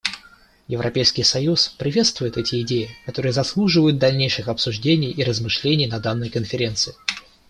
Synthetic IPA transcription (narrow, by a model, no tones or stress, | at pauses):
jɪvɾʔɐpʲejskʲɪjsɐjuspɾʲɪvʲe̞t̪st̪vʊjɪt̪ɛtʲɪɪdʲejɪkɐt̪o̞ɾɨjəzɐslˠuʐɨvəjʊt̪̚d̪ɐlʲnʲejʂɨxɐpsʊʐdʲenʲɪjiɾəzmɨʂlʲenʲɪjnɐd̪anːəjkənfʲɪɾʲe̞nt̪sɨɪ